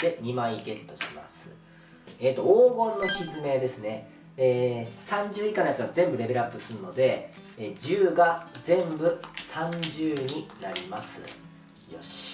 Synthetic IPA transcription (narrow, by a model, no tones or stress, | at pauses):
d̪̥e̞ɲ̟imãɰ̃iɡe̞t̪ːo̞ɕi̥ma̰sɨ̥̰ | eːt̪ːo̞oːɡõ̞nːo̞kʲizɨme̞ːd̪e̞sɨne̞ | eːsãɲ̟d͡ʑɨːikanojat͡sɨɡazẽ̞mbɯ̟ɾe̞be̞ɾɯapːɯ̟sɨɾɯ̟no̞d̪e̞ | ed͡ʑɨːɡazẽ̞mbɯ̟sãɲ̟d͡ʑɨːɲ̟inaɾʲimasɨ̰ | jo̞ɕi̥